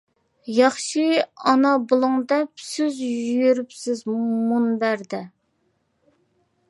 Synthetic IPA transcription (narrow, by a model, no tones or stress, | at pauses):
jɑχʃiɑnɑbolˠʊŋd̪ɛpsɪzjyjyɾypsɪzmunbæɾd̪ɛ